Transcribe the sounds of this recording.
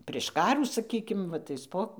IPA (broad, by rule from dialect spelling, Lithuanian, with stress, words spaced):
pʲrʲeːʃ ˈkɑːruː sɐˈkʲiːkʲɪm ˈʋɐ ˈtɐɪs poː